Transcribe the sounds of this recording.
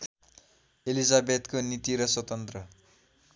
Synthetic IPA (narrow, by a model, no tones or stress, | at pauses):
elizabed̪konit̪iɾʌswʌt̪ʌnt̪rʌ